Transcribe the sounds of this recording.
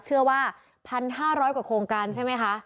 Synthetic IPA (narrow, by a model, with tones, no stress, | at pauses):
t͡ɕʰɯ˥˩ɐwaː˥˩ | pʰa˧nɦaː˥˩ɾɔː˦˥jkwaː˨˩kʰɾoː˧ŋkaː˧nt͡ɕʰa˥˩jma˦˥jkʰa˦˥ʔ